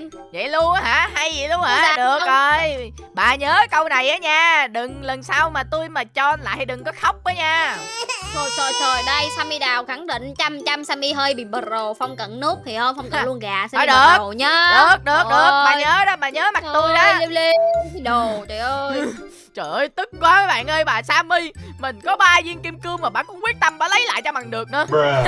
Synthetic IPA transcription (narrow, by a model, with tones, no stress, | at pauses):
zə̰˧˨jlu˧əŋhaː˧˥ɦa˧jzə̰˧˨jlu˧ənŋɦaː˧˨˦ɗɨ˨˩əkk̚ʔəː˧j | ɓa̰ː˨˩ɲəː˨˦kə˧wna˨˩jʔaː˨˦ɲaː˧ɗɨ˨˩ŋlə˨˩nsaː˧wmaː˨˩t̪u˧jmaː˨˩t͡ɕɔ˧la̰ː˧˨jɗɨ˨˩ŋkɔ˨˦xa˦˥wk͡p̚ʔəː˨˦ɲaː˧ | o˨˩jt͡ɕəː˨˩jt͡ɕəː˨˩jɗə˧jsaː˧mi˧ɗaː˨˩wxa˧˩ŋɗḭ̈˧˨ŋ̟t͡ɕa˧mt͡ɕa˧msaː˧mʔi˧ɦəː˧jɓḭ˧˨ɓə˨˩t̚zo˨˩fɔ˧wŋ͡mkə̰˧˨nnɨ˦˥ək̪̚ʰi˨˩həː˧mfɔ˧wŋ͡mklu˧ənɣaː˨˩sa˧˨˦ɗɨ˨˩ə˨o˨˩ɲaː˨˦ɗɨ˧˦˥k̚ɗɨ˨˦əɗə˨˦ək̚ɓa̰ː˨ɲəː˨˦ɗɔ˨˦ɓa̰ː˧˩ɲəː˨˦ma˨˩t̪u˧jzaː˧li˧li˧ɗo˨˩t͡ɕə̰˧˨˩jʔəː˧j | t͡ɕəː˧˨˩ʔə˨jt̪ɨ˦˥k̚kwaː˨˦əː˨˦jɓa̰ː˧˨nʔəː˧jɓa̰ː˧˨˩saː˧mi˧jmï˨˩ŋ̟kɔ˨˦ɓaː˧zi˧əŋki˧mkɨ˧əmaː˨˩ɓa̰ː˧˨kʊ̰˧˥ŋ͡mkwi˦˥ət̚t̪ə˧mɓa̰ː˧˨˦lə˨˦jla̰ː˧˨jt͡ɕɔ˧ɓa˨˩ŋɗɨ˨˩ək̚nɨ˨˦